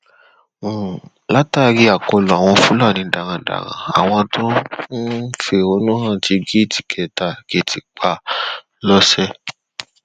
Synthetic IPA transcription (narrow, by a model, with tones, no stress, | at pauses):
la˦ta˦˧ɾi˧a˨ko˧lũ˨a˨w̃ɔ̃˧fũ˦la˦˨nĩ˨˦da˨ɾ̃ã˧da̰˨ɾã̰˧˨a̰˨w̃ɔ̃˧tʰõ˦n̩˦fe˧˦o˧nũ˦hã˦˨ti˧ɡi˦i˦˨ti̥˨kʰɛ˨ta˨ke˨˦˨tʰi˨k͡pa˦˨ | lɔ˦sɛ˦